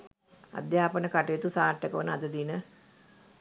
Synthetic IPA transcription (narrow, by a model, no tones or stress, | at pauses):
a̰d̪jaːpənəkaʈejet̪usaːʈːəkəʋənəad̪əd̪inə